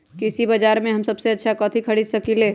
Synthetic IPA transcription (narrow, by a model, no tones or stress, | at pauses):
kɪsibɐd͡ʒaːɾmẽɦɐmsɐbseɐtːʃʰakɔ̃ːt̪ʰikʰɐɽid̪sɐkileː